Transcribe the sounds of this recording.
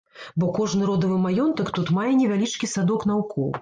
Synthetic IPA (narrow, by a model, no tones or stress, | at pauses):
bɔkɔʐnɨɾɔd̪ɐvɨmajɔnt̪ɐkt̪ut̪majɛnʲɛvʲalʲit͡ʂkʲisad̪ɔkn̪awkʰɔw